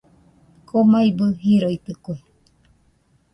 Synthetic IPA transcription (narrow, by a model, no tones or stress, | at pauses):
kʰomaibɨhiɾoit̪ɨkoe